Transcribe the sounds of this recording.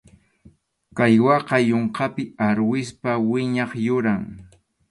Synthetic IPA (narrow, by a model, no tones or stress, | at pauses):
kajwɑqɑjoɴqɑpɪaɾwɪspawɪɲɑχjʊɾaŋ